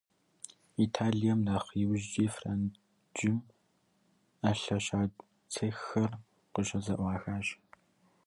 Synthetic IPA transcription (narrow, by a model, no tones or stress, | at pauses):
itʰaːɮijɐmdaːχjɪwʒd͡ʒiːfraːn | d͡ʒɪm | ɐɬɐɕaː | t͡sʰɐxxɐr | qəɕɐzɐʔʷɑːxaːɕ